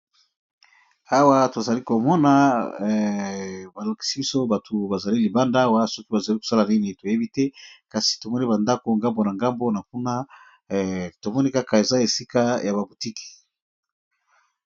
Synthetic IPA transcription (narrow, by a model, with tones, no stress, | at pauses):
a˦wa˦to˨za˨li˦ko˨mɔ˦na˨ | ba˨la˨ki̥˨˦si˦bi˦so˦ba˨tʰo˨ba˨za˨li˦li˨ba˦nda˦wa˦so˦ki˦ba˨za˨li˦ko̥˨sa˦la˨ni˦ne˨to˨je˦bi˦te˦ka˨si̥˨to˨mɔ˦ni˦ba˨nda˦ko˨ŋɡa˦mbo˨na˨ŋɡa˦mbo˦na˨k̚u˦na˦ | to˨mɔ˦ni˦ka˦ka˨e˨za˦e˨si˦ka˦ja˨βa˨bu˨ti˦ki̥˨